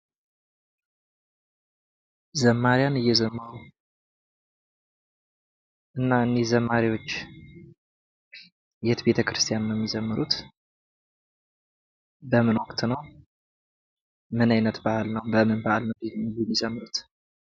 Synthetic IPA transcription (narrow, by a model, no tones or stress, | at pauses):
zəmːaɾijanɨjːɛzəmːəɾu | ʔɨnːaɨnːezəmːaɾiwo̞t͡ʃː | jɛt̪be̞t̪ʰəkɾɨst̪ʰijannjɛmːizəmːɨɾut̪ | bəmɨnwɔkt̪nəw | mɨnajnət̪bahalnəwmbəmɨnbahalnəwdijɛmːid͡ʒəmːɨɾut̪